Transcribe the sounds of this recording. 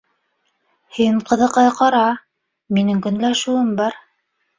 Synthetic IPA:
hiɴqɤ̆ðɤ̆qɑqɑɾɑ | minɘŋkɵ̆nlæʃuɘmbɑɾ

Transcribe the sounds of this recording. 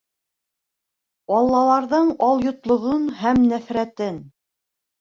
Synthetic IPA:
ɑlˠːɑlˠɑɾðɤɴɑlˠjŏt̪lˠŏʁonɦæmnæfɾæt̪ɘn

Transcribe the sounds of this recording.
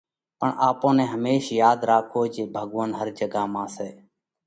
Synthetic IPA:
pəɳʔaːpõːnɛ̃ːɦəmeːʃjaːd̪ɾaːkʰoːd͡ʒeːbʱəɠʋənɦəɾd͡ʒəɡaːmãːsɛː

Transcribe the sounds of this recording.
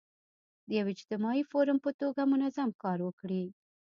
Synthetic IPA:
d̪əjawɪd͡ʒt̪ɪmɑifoɾʊmpət̪oɡamʊnazamkɑɾwəkɽi

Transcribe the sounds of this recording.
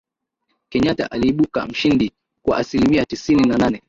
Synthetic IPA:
kɛɲata̰ʔaliːɓuka̰m̩ʃindi | kwa̰ʔasilimiatisininananɛ

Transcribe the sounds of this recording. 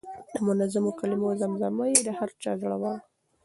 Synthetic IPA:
d̪əmʊnazamokalɪmozamzamajed̪əhaɾt͡ʃɑzaɽawɑn

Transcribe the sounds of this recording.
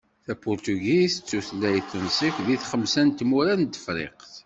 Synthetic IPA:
θæpʊɾt̪uɡist͡sːuθlːæjθənsikʷðiθχəmsænt̪muɾænt̪ːə̥fɾɪ̰qθ

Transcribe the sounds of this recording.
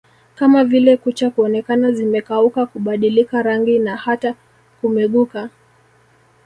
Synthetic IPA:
kamavilɛkut͡ʃakuɔnɛkanazimɛkaukakuɓaɗilikaɾaŋɡinahata | kumɛɠuka

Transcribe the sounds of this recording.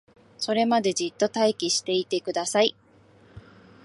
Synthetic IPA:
so̞ɾe̞mad̪e̞d͡ʑit̪ːo̞t̪aikʲiɕi̥t̪e̞it̪e̞kɯ̟d̪asai

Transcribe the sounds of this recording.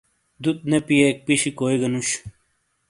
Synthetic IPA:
d̪ut̪̚nepijek̚piɕikoːiɡɐnuɕ

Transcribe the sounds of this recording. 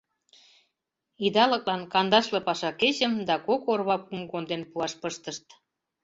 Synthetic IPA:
id̪ɑlə̆klɑnkɑnd̪ɑʃlĕpɑʃɑket͡ɕə̆md̪ɑkokorβɑpumɡond̪enpuɑʃpəʃt̪əʃt̪

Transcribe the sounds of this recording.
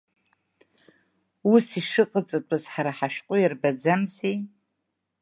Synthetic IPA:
usiʂɨqʼət͡sʼɨtʷʼɨzħaɾaħaʃᶣqʷʼʊjɪrbad͡zamzej

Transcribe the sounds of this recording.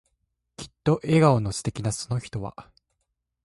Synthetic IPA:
kʲi̥t̪ːo̞ʔe̞ɡaonosɨ̥t̪e̞kʲinaso̞no̞çi̥t̪o̞βa̰

